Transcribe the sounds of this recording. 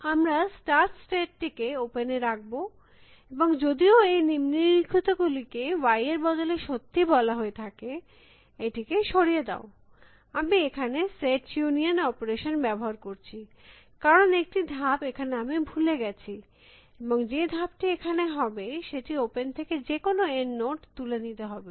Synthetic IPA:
amɾasʈaɾtsʈeʈ̚ʈikeopeneɾak̚bo | eboŋd͡ʑod̪ioejnimniikʰit̪oɡulikewajeɾbɔd̪oleʃot̪ːibɔlaɦoet̪ʰake | eʈikeʃoɽijed̪a̰o | amiekʰaneseʈjunionɔpoɾeʃonbɛboɦaɾkoɾt͡ɕʰi | kaɾonek̚ʈid̪ʱabekʰaneamibʱuleɡɛt͡ɕʰi | eboŋd͡ʑed̪ʱab̚ʈiekʰaneɦɔbeʃeʈiopent̪ʰeked͡ʑekonoenːoʈt̪ulenit̪eɦɔbe

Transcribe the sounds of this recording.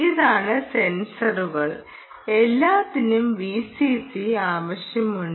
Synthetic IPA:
iðaːɳɨse̞nsɐruɣɐɭ | elːaːt̪ːinumʋiːsisiaːʋɐɕjɐmuɳ

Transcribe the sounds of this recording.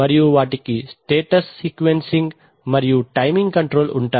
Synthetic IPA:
ɐɾijuʋaːʈikisʈeːʈɐsːiːkʋensiŋɡ | mɐɾijuʈɐjmiŋɡkɐɳʈɾoːluɳʈaː

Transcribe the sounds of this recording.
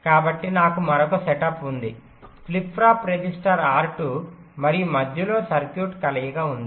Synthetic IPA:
kaːbɐʈːinaːkumɐɾɔkɐsɛʈɐpund̪i | klipʰɾaːpɾed͡ʒisʈɐɾaːɾʈu | mɐɾijumɐd̪ʱjɐlo̞ːsɐɾkjuːʈkɐlɐjɐɡaːund̪i

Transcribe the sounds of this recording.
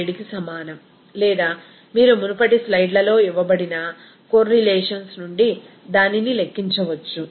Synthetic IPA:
eɽikisɐmaːnɐm | lɛːd̪aː | miːɾumunupɐʈislɐjɖlɐlo̞ːiʋɐbɐɽinɐ | koɾːilɛːʂɐnsnuɳɖi | d̪aːninilekːiɲt͡ʃɐʋɐt͡ʃːu

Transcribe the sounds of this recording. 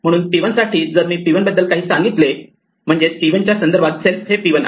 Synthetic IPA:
m̤əɽ̃uːnpiʋənsaʈʰiːd͡zəɾmiːpiʋənbəd̪ːəlkaɦiːsãŋɡit̪le | m̤əɳd͡zesʈiʋənt͡ɕjasənd̪əɾbat̪selfɦepiʋən

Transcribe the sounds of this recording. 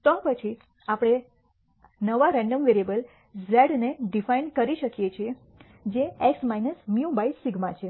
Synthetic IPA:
t̪ɔpət͡ʃʰi | apɽ̃e | nəʋaɾɛ̃ɳɖəmʋeɾiebəl | zɛɖneɖifainkəɾiʃəkjet͡ʃʰie | d͡ʒeeksmainəsmjubaisiɡmat͡ʃʰe

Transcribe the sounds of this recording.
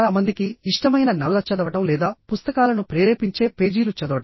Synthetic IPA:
lamɐnd̪ikiiʂʈɐmɐjnɐnɐllɐt͡ʃɐd̪ɐʋɐʈɐmlɛːd̪aːpust̪ɐkaːlɐnupɾeːɾeːpiɲt͡ʃe̞ːpe̞ːd͡ʒiːlut͡ʃɐd̪ɐʋɐʈɐm

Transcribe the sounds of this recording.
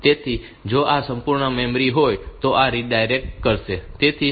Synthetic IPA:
t̪et̪ʰi | d͡ʒoʔasəmpuɾɳəmẽmɾiɦojt̪oʔaɾiɖajɾek̚ʈkəɾʃet̪et̪ʰi

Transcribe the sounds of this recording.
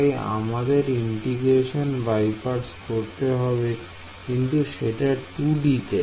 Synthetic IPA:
ja̰mad̪eɾiɳʈiɡɾeʃonbajpaɖskoɾt̪eɦɔbe | kint̪uʃeʈat̪uɖit̪e

